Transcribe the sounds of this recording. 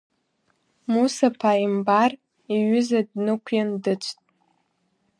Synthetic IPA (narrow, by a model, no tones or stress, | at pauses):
musapʰaimbar | iɥʏzadnɨkʷʰjandɨt͡ʃʷʰtʼ